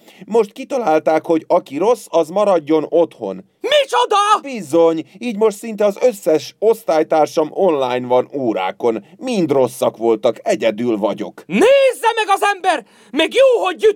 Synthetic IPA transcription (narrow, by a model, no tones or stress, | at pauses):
mo̞ʃt̪kit̪ɒlaːlt̪aːkho̞ɟɒkiɾo̞sːɒzmɒɾɒɟːo̞no̞t̪ho̞̰n | mit͡ʃod̪ɒbizo̞ɲiːɟmo̞ʃt̪sint̪ɛɒzø̞sːɛʃo̞st̪aːjt̪aːrʃɒmo̞nlaːjnvɒnuːɾa̰ːko̞nmind̪ro̞sːɒkʋo̞lt̪ɒkɛɟɛd̪yːlvɒɟo̞̰kneːzːɛmɛɡɒzɛmbɛr | mɛɡjoːɦo̞ɟːy